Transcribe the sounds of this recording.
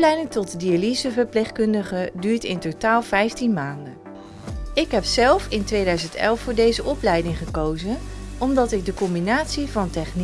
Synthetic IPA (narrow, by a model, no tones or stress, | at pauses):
lɛjdɪŋtɔtdializəvəɹplejχkɵndəχədyːɹtɪntotaːlˠv̥ɛjftinmaːndən | ɪkɦɛpsɛlˠfɪntʋejdœɥzəntɛ̰lˠfʊːɹdejzəʔɔplɛjdɪŋχəkowzənɔmdɑtɪɡ̚dəkɔmbinaːtsivɑntɛχn